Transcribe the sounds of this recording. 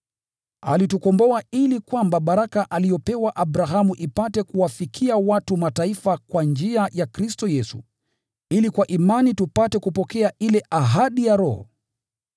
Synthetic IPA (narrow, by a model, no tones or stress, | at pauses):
a̰litukɔmbɔailikwambaɓaɾakaʔalijɔpɛwaʔabɾaɦamuʔipatɛkuwafikʰiawatumataifakwand͡ʒiajakɾistɔjɛsṵ | ilikwaʔimanitupatɛkupɔkɛailɛʔaɦaɗijaɾɔ̰hɔ̰